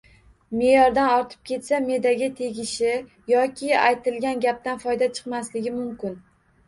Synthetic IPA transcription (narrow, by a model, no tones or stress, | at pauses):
me̞jɒɾd̪anɒɾt̪ʰɪ̥p̚kʲʰe̞t̪same̞d̪aɡʲɪt̪ʰe̞ɡʲɪʃɪ | jɒkʲʰɪajt̪ʰɪlɡʲanɡʲap̚t̪anfɒjd̪at͡ʃʰɨ̥qmaslɪɡʲɪmʊmkʲɪn